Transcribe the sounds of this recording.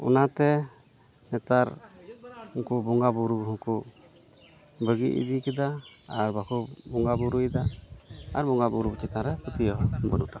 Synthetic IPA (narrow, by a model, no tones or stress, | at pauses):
ɔ̰nat̪ɛ | nɛt̪aɾ | ukubɔŋɡabuɾuɦũku | bəɡiʔḭd̪ikɛd̪aaɾbakubɔŋɡabuɾujd̪a | aɾbɔŋɡabuɾubut͡ʃit̪ãɾɛput̪ijɔɦɔbənṵt̪a